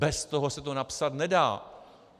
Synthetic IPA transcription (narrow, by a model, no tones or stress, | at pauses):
bɛst̪oɦosɛt̪onapsat̪nɛdaː